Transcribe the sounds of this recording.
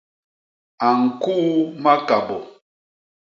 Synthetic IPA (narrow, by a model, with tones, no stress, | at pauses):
a˨ŋ̩˨ku˦ma˦ka˨bɔ˨